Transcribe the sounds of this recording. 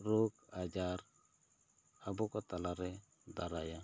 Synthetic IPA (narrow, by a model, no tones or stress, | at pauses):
ɾokad͡ʒaɾ | abɔkɔt̪alaɾɛ | d̪aɾaja